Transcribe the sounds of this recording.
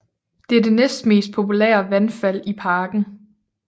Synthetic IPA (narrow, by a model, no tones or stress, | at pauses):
d̥e̝æɐd̥e̝nesd̥me̝̰ːsd̥̚pʰo̝pʰulḛɐʋænfæl̰ipʰɑ̈ːɡ̥n̩